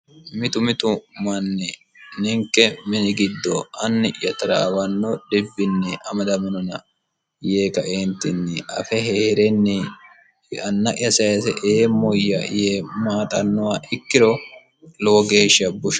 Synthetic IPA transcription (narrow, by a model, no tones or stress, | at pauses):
mɪt̪ʊmɪt̪ʊmɐnːɛ | nɪŋkːɛmɪnɪɡɪd̪ːɔɐnːɪjɐt̪ɐɾa̰ːwɐnːɔd̪ɛbːɪnːɛʔɐmɐd̪ɐmɪnɔnɐ | jeːkɐʔent̪ːɪnːɛʔɐ̰fɛheːhɾɛnːɛ | ɐnːɐʔɪɐsɐjɐsɛ̰ʔeːmɔjːɐ̰jeːmaːt̪ʼɐnːɔwaʔɪkːɪɾɔ | lɔwɔɡe̞ːʃɪɐbʊʃɐ̥